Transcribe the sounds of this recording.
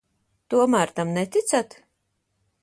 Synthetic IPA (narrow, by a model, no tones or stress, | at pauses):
t̪uɔmæɾt̪amnɛt̪it̪sat̪